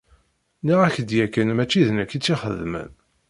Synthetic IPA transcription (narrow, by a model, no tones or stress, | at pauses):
niʁæçd̪jækːənmæt͡ʃːiðnækːit͡sːiχəðmə̰n